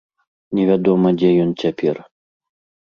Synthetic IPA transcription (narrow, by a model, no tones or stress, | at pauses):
nʲɛvʲad̪ɔmɐd͡zʲɛjɔnt͡sʲapʲɛ̰r